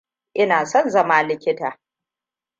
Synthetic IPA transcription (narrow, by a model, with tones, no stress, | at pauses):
ʔɪ˦naː˨sɔ˦˨nzɐ˦maː˦lɪ˦kʲɪ˦taː˨